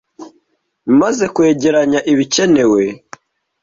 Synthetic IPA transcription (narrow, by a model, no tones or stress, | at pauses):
maze̞kwe̞ːɟe̞ɾaɲaʔiβice̞ne̞we̞